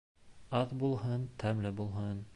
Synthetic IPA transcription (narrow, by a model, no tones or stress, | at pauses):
ɑðbulˠhɤnt̪ʰæmlɘbulˠɦɤn